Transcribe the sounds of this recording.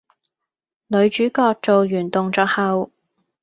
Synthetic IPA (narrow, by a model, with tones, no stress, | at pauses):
lɵ˨˧ɥt͡ʃyː˨˥kɔː˧k̚t͡so˨wjyː˨˩nt̪ʊ˨ŋt͡sɔː˧k̚hɐ˨˧w